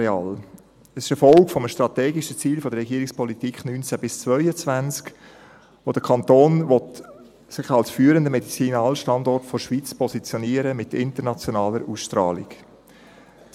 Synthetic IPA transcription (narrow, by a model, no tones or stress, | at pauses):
ɛɑːl | əsɪ̥ʃɛfɔlkfɔməʃtɾɑtɛːɡiʃət͡siːlfɔd̥̪əɾrːɛɡiəɾɪkspɔlitiːkχnynt͡sæb̥ɪst͡svœʏət͡svænt͡sk | ʋod̥əkʰɑntoːnvɔt | sɪχɑlsfyːəɾəndəmɛdit͡siːnɑːlʃtɑndɔrtfoɾʃʋiːt͡spʰɔsit͡sjɔniəɾəmɪtɪ̰ntənɑt͡sjɔnɑːləɾʔuːsʃtɾɑːlḭk